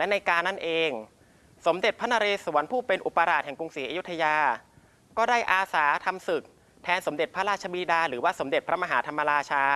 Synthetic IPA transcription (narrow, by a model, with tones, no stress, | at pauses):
lɛ˦˥na˧jkaː˧nːa˥˩nʔeː˧ŋ | so˩˦mde˨˩t̪̚pʰa˦˥na˧ɾeː˧su˩˦ənpʰuː˥˩pe˧nʔu˨˩pːa˧ɾaː˨˩t̪̚hɛ˨˩ŋku˧ŋsiː˩˦ʔa˧ju˦˥t̪ʰːa˧jaː˧ | kɔː˥˩daː˥˩jʔaː˧saː˩˦t̪ʰa˧msɯ˨˩k̚ | t̪ʰɛː˧nso˩˦mde˨˩t̪̚pʰɾa˦˥ɾaː˥˩t̚t͡ɕʰa˧biː˧daː˧ɾɯː˩˦waː˥˩so˩˦mde˨˩t̪̚pʰɾa˦˥maː˧ɦaː˩˦t̪ʰa˧mːa˧ɾaː˧t͡ɕʰaː˧